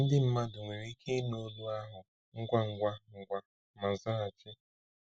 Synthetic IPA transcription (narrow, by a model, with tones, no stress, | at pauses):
n̩˦dɪ˦m̩˦ma˦dʊ˨ŋʷe˨ɾi˦kʰe˦no˦du˦a˦ɦʊ˨ | ŋ̩˦ɡʷa˦ŋ̩˨ɡʷa˦ŋ̩˨ɡʷa˦ | ma˨za˦a˨t͡ʃɪ˦